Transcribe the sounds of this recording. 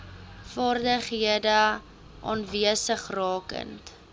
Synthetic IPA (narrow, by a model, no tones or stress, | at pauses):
fɑːrdəχɦiədə | ʔɑ̰ːnviəsəχrɑːkə̰nt